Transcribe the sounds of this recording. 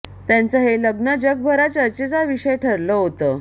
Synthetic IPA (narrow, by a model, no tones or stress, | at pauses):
t̪jãnt͡səɦeləɡnəd͡ʑəɡ̚bʱəɾat͡ɕət͡ɕet͡saʋiɕəjʈʰəɾləɦot̪ə